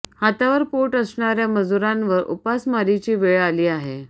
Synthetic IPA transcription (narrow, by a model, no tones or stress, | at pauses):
hat̪aʋəɾpoʈəsɳaɾjaməd͡zuɾanʋəɾṵpasmaɾit͡ɕiːʋeɭaliːaɦe